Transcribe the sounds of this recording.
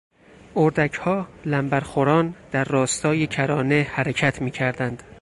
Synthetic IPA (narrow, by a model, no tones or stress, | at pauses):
oɾd̪æcʰhɒːlæmbæɾxoɾɒːnd̪̥æɾːɒːst̪ʰɒːjecʰæɾɒːne̞hæɾecʰæt̪ʰmiːcʰæɾd̪ænd̪̥